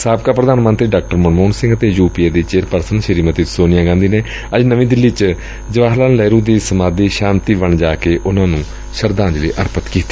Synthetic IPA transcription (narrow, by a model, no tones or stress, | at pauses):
saːbkaːpɾəd̪aːnmənt̪ɾiːɖaːk̚ʈəɾmənmoːnsɪ̃ŋɡət̪eːjuːpiːeːd̪iːt͡ʃeːɾpəɾsənʃəɾiːmət̪iːsoːnɪjãːɡãːnd̪iːneː | əd͡ʒnəʋĩːd̪ɪlːiːt͡ʃ | d͡ʒəʋaːɦlaːnlɛːɾũːd̪iːsəmaːd̪iːʃãːnt̪iːʋəɳd͡ʒaːkeːʔʊnãːnũː | ʃəɾd̪ãːnd͡ʒlḭːʔəɾpət̪kiːt̪ːi̥